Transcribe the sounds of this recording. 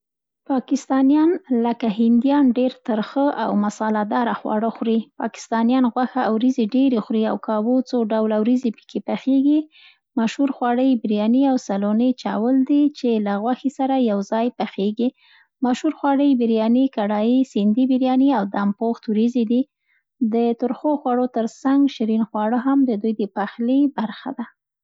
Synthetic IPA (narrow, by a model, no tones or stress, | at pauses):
pɑkɪst̪ɑnjɑnləkahɪnd̪jɑnɖeɾt̪əɾxəʔa̰wmasɑlad̪ɑɾaxwɑ̰ɽəxɾipɑ̰kɪ̥st̪ɑnijɑnɣwaxaawɾizeɖeɾexɾia̰wkɑwot͡soɖawlawɾizepə̥kʰepaxeɡi | maʃhuɾxwɑɽəjbɪɾjɑniawsalonət͡ʃɑwəld̪it͡ʃelaɣwaxisaɾajawzɑjpaxeɡi | maʃhuɾxwɑɽəjbɪɾjɑnikaɽɑjisɪnd̪ibɪɾjɑniawd̪ampoxt̪wɾized̪i | d̪ət̪ʊɾxoxwaɽot̪əɾsaŋɡʃɪɾinxwɑɽəɦamd̪əd̪ujd̪əpaxlibaɾxa̰d̪a